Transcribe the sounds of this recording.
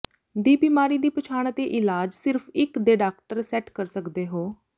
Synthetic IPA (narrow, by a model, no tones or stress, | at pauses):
d̪iːbiːmaːɾiːd̪iːpət͡ʃʰaːɳ̃ət̪eːʔɪlaːd͡ʒsɪɾfʰɪkd̪eːɖaːkʈəɾsɛːʈkəɾsəkd̪eːɦoː